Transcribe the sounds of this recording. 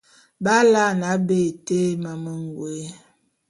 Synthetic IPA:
ba˦la˦˨na˨˦be˦˨te˦ma˨mə˦ŋ˨ɡwe˨˦

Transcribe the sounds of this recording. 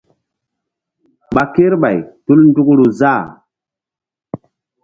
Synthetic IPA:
ɓa˨ke˦ɾɓa˨jtu˦ln˦du˦kɾu˨za˦˨

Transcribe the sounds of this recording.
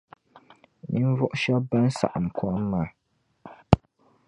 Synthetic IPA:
ni˦n˦vɔ˦ʔʊ˦ʃa˦ba˦n˦sa̰˨ʔa˨m˨kwa˦mː˦aː˨

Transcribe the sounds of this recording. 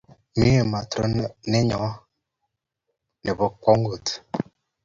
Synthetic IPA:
mi˦ə˨ma˨tɾə˦ne˦ɲɔ˨˦ | ne˨bə˦kɔ˦ŋ˦ɡo˨t

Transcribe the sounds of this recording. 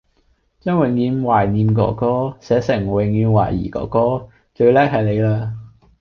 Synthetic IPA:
t͡ʃœː˥ŋwɪ˨ŋjyː˨˧nwaː˨˩jniː˨˧mk̬ɔ̰ː˨˩kɔː˥sɛː˨˥sɪ˨˩ŋwɪ˨˩ŋjyː˨˧nwa̰ː˨˩jḭː˨˩kɔ̰ː˨˩kɔː˥ | t͡ʃɵ˧ɥlɛː˥k̚hɐ˨jle˨˧jlaː˧

